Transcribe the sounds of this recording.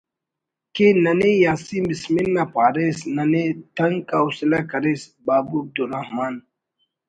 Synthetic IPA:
kenɐnejaːsimbisminːapʰaːɾesnɐnet̪ɐŋkausilakɐɾesbaːbuɐb̚d̪uɾahmaːn

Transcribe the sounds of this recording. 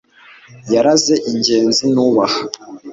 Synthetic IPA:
jaɾaze̞ʔiɲɟe̞ːnzinuːβaha

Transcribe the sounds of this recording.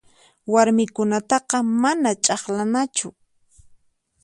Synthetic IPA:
waɾmɪkʊnat̪ɑqɑmanat͡ʃʼɑχlanat͡ʃʊ

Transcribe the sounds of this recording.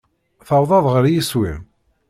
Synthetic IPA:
θɑwðˤɑðˤʁəɾjiswḭm

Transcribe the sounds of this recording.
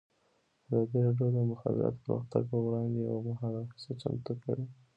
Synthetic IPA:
azɑd̪iɾɑɖjod̪əmʊxa̰d̪ɪ̰ɾɑ̰t̪pəɾṵxt̪aɡ̚pəwɽɑnd̪ea̰wmaɦɑɾasət͡ʃa̰mt̪əka̰wi

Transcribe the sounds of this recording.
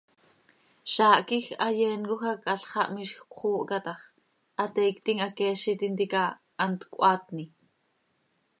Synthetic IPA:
ʃɑːʔkixɑjɛːnkoxakɑɬχɑʔmiʃxkʷχuːʔkɑt̪ɑχ | ʔɑt̪ɛːkt̪iŋakɛːʃit̪int̪ika | ʔːnt̪kʷʔɑːt̪ni

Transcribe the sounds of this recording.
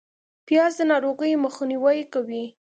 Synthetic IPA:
pjɑzd̪ənɑɾoɣəjməxniwajkawi

